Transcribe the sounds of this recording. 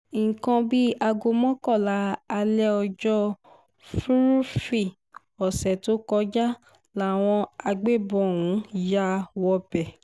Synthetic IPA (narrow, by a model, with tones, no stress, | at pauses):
ŋ̩˨kã˧bi˦a˧ɡo˧mɔ̃˦kɔ˦˨la˨˦a˧lɛ˦ɔ˧d͡ʒɔ˦ | fu˦ɾu˦fi˦˨ | ɔ˨sɛ˨to˨˦kɔ˧˦d͡ʒa˦ | la˦˨w̃ɔ̃˧a˧ɡ͡be˦˨bɔ˨wũ˨˦ja˦wɔ˧bɛ˨